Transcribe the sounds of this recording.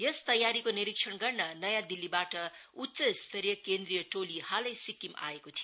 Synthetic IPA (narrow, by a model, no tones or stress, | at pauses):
jest̪ʌjːaɾikoniɾik̚ʂʰʌnɡʌrnʌnʌjãd̪ilːibaʈʌutːsʌst̪ʰʌrjʌkend̪rijʌʈolihalʌjsikimʔa̰ekot̪ʰio